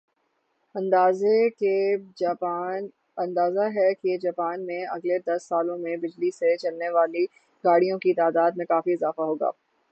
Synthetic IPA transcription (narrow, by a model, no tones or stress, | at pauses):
ɐ̃nd̪aːzeke | n | ɐ̃nd̪aːzaɦɛkid͡ʒaːpaːnmẽɐɡled̪ɐsːaːlõmẽbɪd͡ʒliset͡ʃɐlneʋaːli | ɡaːɽijõkit̪aːd̪aːd̪̚mẽkaːfiɪzaːfaɦoːɡa̰ː